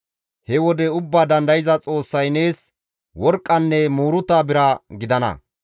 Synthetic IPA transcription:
hɛwɔd̪ɛʊbːaːd̪ɐnd̪ɐjɪzɐt͡sʼo̞ːsːɐjne̞ːs | wɔɾkʼːɐnːɛmuːɾʊt̪ːaːbɪɾɐɡɪd̪ɐnɐ̰

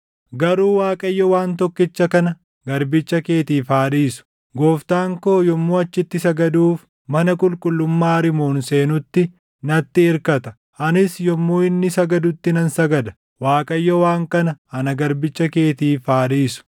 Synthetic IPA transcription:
ɡɐɾuːwaːkʼɐjːɔwaːnt̪ɔkːɪt͡ʃːɐkɐnɐ | ɡɐɾbɪt͡ʃːɐke̞ːt̪iːfaːᶑiːsʊ̥ | ɡoːft̪aːŋko̞ːjɔmːoːɐt͡ʃːɪt̪ːɪsɐɡɐd̪uːf | mɐnɐkʼʊlkʼʊlːʊmːaːɾɪmoːnse̞ːnʊt̪ːɪ | nɐt̪ːɪɪɾkɐt̪ɐ | ʔɐnɪsjɔmːoːɪnːɪsɐɡɐd̪ʊt̪ːɪnɐnsɐɡɐd̪ɐ̥ | waːkʼɐjːɔwaːŋkɐnɐhɐnɐɡɐɾbɪt͡ʃːɐke̞ːt̪iːfaːᶑiːsʊ̥

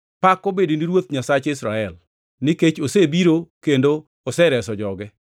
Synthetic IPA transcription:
pakːobediniɾwot̪ɲasat͡ʃɪsɾaɛl | nɪket͡ʃosebiɾokendo | osɛɾɛsɔd͡ʒɔɡɛ

